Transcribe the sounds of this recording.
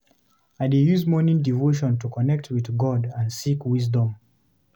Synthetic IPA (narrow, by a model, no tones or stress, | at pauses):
aɪdejuzmɔnĩŋdivoʃ̬ɔ̃ntukɔnɛk̚tʰwiðɡɔdãnsikwis̬dɔ̃m